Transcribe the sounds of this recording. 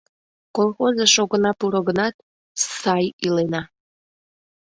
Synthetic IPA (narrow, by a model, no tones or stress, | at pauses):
kolˠxozeʃoɣənɑpuɾəɣənɑt̪̚ | sɑjilenɑ